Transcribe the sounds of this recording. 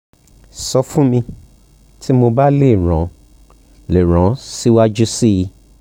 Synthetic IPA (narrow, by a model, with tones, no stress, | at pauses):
sɔ˧fũ˦mĩ˧ | tʰi˦mo˧ba˦le˦˨ɾɔ̃˨˦ | le˨ɾ̃ɔ̃˨˦si˦wa˦d͡ʒu˦si˦ji˧